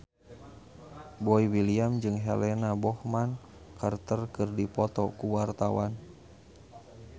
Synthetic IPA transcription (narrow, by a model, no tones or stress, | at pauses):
bɔiwiliamd͡ʒɨŋɦɛ̰lɛnabɔhman | kart̪ərkɨrdipɔt̪ɔkuwart̪awan